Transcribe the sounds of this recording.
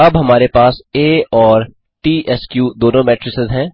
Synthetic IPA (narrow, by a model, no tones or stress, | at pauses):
ɐbɦɐmaːɾepaːseːɔːɾ | ʈiːʔɛskjuːd̪oːnõmɛːʈɾɪsɪzɦɛ̃ː